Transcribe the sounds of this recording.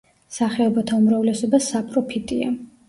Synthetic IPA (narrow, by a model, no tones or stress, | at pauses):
saχɛɔbat̪ʰaumɾavlɛsɔbasapʼɾɔpʰit̪ʼia̰